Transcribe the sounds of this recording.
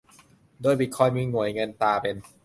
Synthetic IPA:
doː˧˨jbi˨˩kʰɔ˧jmiː˧ŋu˨˩˦əjŋɤ˧nt̪aː˧pe˧n

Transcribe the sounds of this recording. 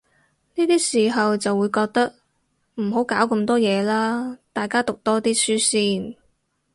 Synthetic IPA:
niː˥t̪iː˥siː˨˩ɦɐ˨wt͡sɐ˨wːuː˨˧jkɔː˧k̚t̪ɐ˥k̚ | m̩˨˩ɦo˨˥wkaː˨˥wkɐ˧mt̪ɔː˥jɛː˨˧laː˥t̪aː˨˩jkaː˥t̪ʊ˨k̚t̪ɔː˥t̪iː˥syː˥siː˥n

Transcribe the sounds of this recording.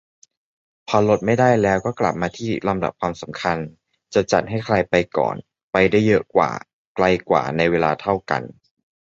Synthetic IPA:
pʰɔː˧lo˦˥t̪̚ma˥˩jdaː˥˩jlɛː˦˥wkɔː˥˩kla̰˨˩p̚maː˧t̪ʰiː˥˩la˧mda̰˨˩p̚kʰwaː˧msa˩˦mkʰa˧n | t͡ɕa˨˩t͡ɕa̰˨˩t̪̚ɦa˥˩jkʰla˧jpa˧jkɔ̰ː˨˩n | pa˧jdaː˥˩jːɤ˦˥kwa̰ː˨˩ | kla˧jkwa̰ː˨˩na˧jweː˧laː˧t̪ʰa˥˩wka̰˧n

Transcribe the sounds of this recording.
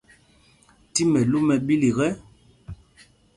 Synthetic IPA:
ti˦mɛ˨lu˦mɛ˨ɓi˦li˨ɣɛ˦

